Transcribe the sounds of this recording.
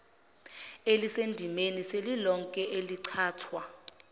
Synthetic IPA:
elisendʱimeniselilɔŋkʼɛʔeliǀʰaːtʰwa

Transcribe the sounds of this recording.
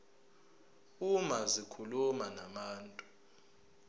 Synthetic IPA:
umazikʰulumanamaːntʼu

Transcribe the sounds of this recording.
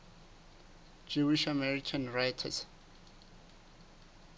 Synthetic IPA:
d͡ʒuiʃamɛɹikʰãnɹajtʰa̰s

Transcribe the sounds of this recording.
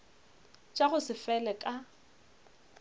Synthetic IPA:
t͡ʃʼaɣʊsɪfɛlɛkʼa

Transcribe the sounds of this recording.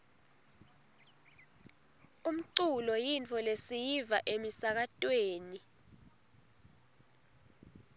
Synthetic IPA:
um̩ǀulɔjintʰɔlesijivaʔemisak̬atʼweːni

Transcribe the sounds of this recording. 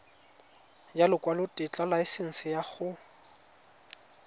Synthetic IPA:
jalɪkwalʊtʼɪt͡ɬʼalaɪsɪn̩sɪjaχʊ

